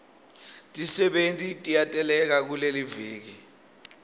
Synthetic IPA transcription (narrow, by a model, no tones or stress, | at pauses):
tʼisɛɓentʼitʼijatʼɛlɛk̬ak̬uleliviːk̬i